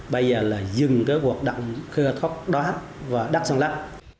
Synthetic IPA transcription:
ɓə˧jzəː˨˩laː˨˩zɨ˨˩ŋkaː˨˦jku˨˩ək̚ɗa̰˧˨wŋ͡mxɨ˧t̪ʰwa˦˥k̚ɗwaː˨˦ | vaː˨˩ɗa˦˥k̚sa˧ŋlaː˦˥p̚

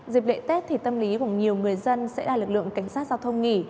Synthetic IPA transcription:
zi˨˩p̚lḛ˧˨t̪e˦˥t̚t̪ʰi˨˩t̪ə˧mli˨˦ku˧˩əɲi˨˩əwŋɨ˨˩əjzə˧nsɛ̰˧˥ɗaː˧˩lɨ˨˩k̚lɨ̰˧˨ə˨ŋka˧˩jŋ̟saː˦˥t̚zaː˧wt̪ʰə˧wŋ͡mŋi˧˩

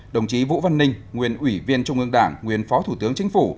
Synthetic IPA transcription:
ɗə˨˩wŋ͡mt͡ɕi˨˦vṵ˧˥və˧nːï˧ŋ̟ŋwi˨˩ənʔwi˧˩vi˧ənt͡ɕʊ˧ŋ͡mʔɨ˧əŋɗaː˧˩ŋŋwi˨˩ənfɔ˨˦t̪ʰu˧˩t̪ɨ˨˦əŋt͡ɕï˨˦ŋ̟fu˧˩

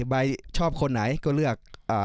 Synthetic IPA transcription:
ba˧jt͡ɕʰɔː˥˩p̚kʰo˧nːa˩˦jkɔː˥˩lɯ˥˩ək̚ʔaː˨˩

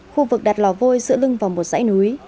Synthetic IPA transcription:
xu˧vɨ˨˩k̚ɗaː˨˩t̚lɔ˧˩vo˧jzɨ̰˧˨əlɨ˧ŋvaː˨˩wmo˨˩t̚za̰ː˧˥jnu˨˦j

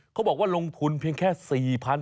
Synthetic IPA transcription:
kʰa˦˥wbɔː˨˩k̚waː˥˩lo˧ŋt̪ʰu˧npʰi˧əŋkʰɛː˥˩siː˨˩pʰa˧n

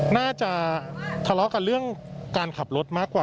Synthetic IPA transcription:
naː˥˩t͡ɕa˨˩t̪ʰa˧lɔ˦˥ka˧nɾɯ˥˩əŋkaː˧nkʰa˨˩p̚ɾo˦˥t̪̚maː˥˩kwaː˨˩

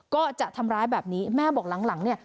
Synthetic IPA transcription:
kɔː˥˩t͡ɕa˨˩ʔt̪ʰa˧mɾaː˦˥jbɛː˨˩p̚niː˦˥mɛː˥˩bɔː˨˩k̚la˩˦ŋla˩˦ŋni˥˩ɐ

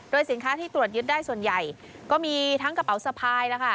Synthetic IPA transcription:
doː˧jsi˩˦nkʰaː˦˥t̪ʰiː˥˩t̪ɾu˨˩ət̪̚jɯ˦˥t̪̚daː˥˩jsu˨˩ənja˨˩j | kɔː˥˩miː˧t̪ʰa˦˥ŋka˧pa˩˦wsa˧pʰaː˧jla˦˥kʰa˥˩

